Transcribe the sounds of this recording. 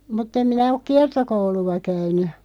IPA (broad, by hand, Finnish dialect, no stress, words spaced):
mutː em minæ ok kiɑrtokouluɑ kæyny